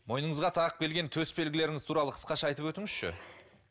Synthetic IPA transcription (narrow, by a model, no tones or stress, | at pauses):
mo̞jnəɴəzʁɑt̪ʰɑʁəp̚kʲʰe̞lɡʲe̞nt̪ʰɵsbe̞lɡʲɪle̞ɾɪŋɪzt̪ʰuɾɑlˠəqʰə̥sqɑʃɑɑjt̪əpwɵt̪ɪŋɪz̥ʃɪ̰